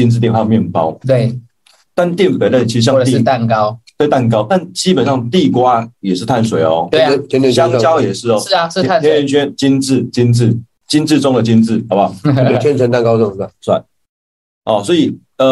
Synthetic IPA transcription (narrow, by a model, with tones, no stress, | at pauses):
t͡ɕi˥nt͡sɹ̩˥˧t̪jɛ˥˧nxwa˥˧mjɛ˥˨˩npɑ̰˥ʊwe˥˧˩ | t̪a˥˨nt̪jɛ˥˨npe˧˥ɪlə˥˧˩t͡ɕʰi˧˥˧ɕjɑ˥˧˨t̪i˥˨t̪a˥˩nkɑ˦˥ʊt̪we˥˩ɪt̪a˥˩nk̬ɑ˥ʊt̪a˥˨nt͡ɕi˥pə˨˩nʂɑ˥˨˩ŋt̪i˥˨kwa˦jɛ˨˩ʂɻ̩˥˧t̪ʰa˥˩nswe˨˦ɪɔ˧e˥˩˧t̪ʰɛ˥˦nɛ˥˧˨ɕɑ˥ŋ˥t͡ɕjɑ˥ʊjɛ˨˩ʂɻ̩˥˩ɔ˦˥˩nʰɛ˥ɛ˧˥nt͡ɕʰɥɛ˥nt͡ɕi˥nt͡sɹ̩˥˩t͡ɕi˥nt͡sɹ̩˥˩ | t͡ɕi˦˥nt͡s̩˥˨ʈ͡ʂɔ˥ŋd̪ə˨t͡ɕi˦˥nt͡sɹ̩˥˩a˨˦ba˨˩˥t͡ɕʰɛ˦˥nt͡sʰə˧˦nt̪a˥˨nkɑ˥ʊt͡sɤ˥˨ŋ˨˩sa˥˩swa̰˥˩n | ɔ˨˩swɔ˧˥i˨˩ | ə˧